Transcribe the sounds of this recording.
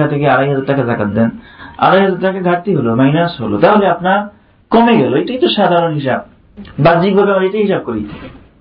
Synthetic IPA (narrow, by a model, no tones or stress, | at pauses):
at̪ʰekeaɾajɦad͡zaɾʈːakad͡ʑakat̪d̪ɛna̰ɾajɦad͡zaɾʈakaɡʱaʈt̪iɦolomajnaʃɦolot̪aɦoleapnaɾ | komeɡɛloejʈakit̪oʃad̪ʱaɾonɦiʃab̚ | bad͡ʑik̚bʱabeamaɾejʈajɦiʃab̚koɾḭ